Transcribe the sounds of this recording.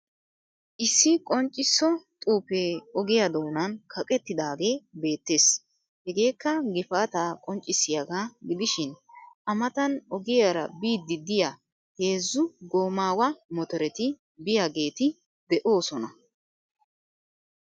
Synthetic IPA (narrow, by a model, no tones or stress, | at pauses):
ʔɪsːɪkʼɔnt͡ʃʼːɪsːɔt̪ʼuːpeːɔɡɪjɐd̪o̞ːnɐnkʰɐkʼɛt̪ːɪd̪aːɡe̞ːbe̞ːt̪ːe̞ːs | hɛɡe̞ːkːɐɡɪfaːt̪aːkʼɔnt͡ʃʼːɪsːɪjaɡaːɡɪd̪ɪʃɪnʔɐmɐt̪ɐnɔɡɪjaɾɐ̰biːd̪ːɪd̪ɪja | he̞ːzːʊɡo̞ːmaːwɐmɔt̪ɔɾɛt̪ɪ | bɪjaɡe̞ːt̪ɪ | d̪ɛʔo̞ːsɔnɐ